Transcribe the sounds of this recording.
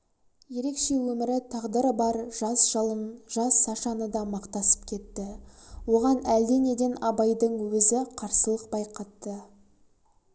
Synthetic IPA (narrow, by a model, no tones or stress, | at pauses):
je̞ɾe̞kʃe̞wɵmɪɾɪt̪ʰɑʁd̪əɾəbɑɾʒ̥ɑsʒ̥əlˠənʒ̥ɑsːɑʃɑnəd̪ɑmɑqt̪ɑsə̥p̚kʲʰe̞t̪ːɪwo̞ʁɑnæld̪e̞ne̞d̪e̞nɑbɑjd̪əɴwɵzɪqʰɑɾsəlˠəq̚bɑjqɑt̪ːə